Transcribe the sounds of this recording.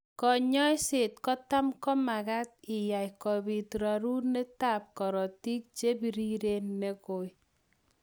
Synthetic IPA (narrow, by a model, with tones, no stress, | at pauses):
kɔ˨ɲɔ˦jse˨tkɔ˦ta˦mkɔ˦ma˨ka˦t̚ɪ˨ja˨jkɔ˨bi˨tɾa˨ɾu˦ne˦ta˦˨p̚kɔ˨ɾɔ˨ti˦k̚t͡ʃe˦bi˨ɾi˦ɾe˦nːɛ˦kʊ˨j